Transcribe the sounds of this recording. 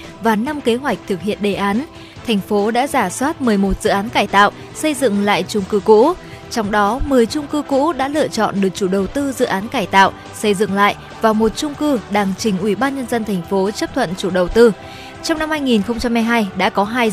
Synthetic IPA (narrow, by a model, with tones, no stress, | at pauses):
vaː˨˩na˧mke˨˦ɦwa˨˩jk̟̚t̪ʰɨ˨˩k̚hḭ˧˨ənɗe˨˩ʔaː˨˦n | t̪ʰɛ˨˩jŋ̟fo˨˦ɗa̰ː˧˥zaː˧˩swaː˦˥t̚mɨ˨˩əjmo˨˩t̚z̥ɨ̰˧˨ʔaː˨˦nkaː˧˩jt̪a̰ː˧˨wʔ | sə˧jzɨ̰˧˨ŋla̰ː˧˨jt͡ɕʊ˧ŋ͡mkɨ˧kṵ˧˥ | t͡ɕɔ˧wŋ͡mɗɔ˨˦mɨ˨˩əjt͡ɕʊ˧ŋ͡mkɨ˧kṵ˧˥ɗa̰ː˧˥lɨ̰˧˨ət͡ɕɔ̰˧˨nɗɨ˨˩ək̚t͡ɕu˧˩ɗə˨˩wt̪ɨ˧zɨ̰˧˨ʔaː˨˦nkaː˧˩jt̪a̰ː˧˨wʔ | sə˧jzɨ̰˧˨ŋla̰ː˧˨j | vaː˨˩mo˨˩t̚t͡ɕʊ˧ŋ͡mkɨ˧ɗaː˨˩ŋt͡ɕï˨˩ŋ̟ʔwi˧˩ɓaː˧nɲə˧nzə˧nt̪ʰɛ˨˩jŋ̟fo˨˦t͡ɕə˦˥p̚t̪ʰwə̰˧˨nt͡ɕu˧˩ɗə˨˩wt̪ɨ˧ | t͡ɕɔ˧wŋ͡mna˧mhaː˧jŋi˨˩nxə˧ŋ͡mt͡ɕa˧mha˧jɦaː˧jɗa̰ː˧˥kɔ˨˦ɦaː˧j